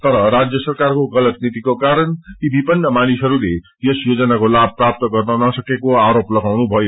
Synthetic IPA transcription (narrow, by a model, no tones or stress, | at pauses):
t̪ʌɾʌɾad͡zjʌsʌrkarkoɡʌlʌt̪nit̪ikokaɾʌnibipʌnːʌmanisɦʌɾule | jesjod͡zʌnakolab̚ʱprap̚t̪ʌɡʌrnʌnʌsʌkekoaɾoplʌɡawnubʱʌjo